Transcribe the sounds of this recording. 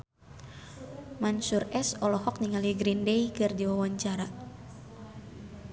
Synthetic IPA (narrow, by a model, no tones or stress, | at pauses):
mansurɛsɔlɔhɔk̚niŋaliɡɾindeikɨrdiwawaɲt͡ʃaɾa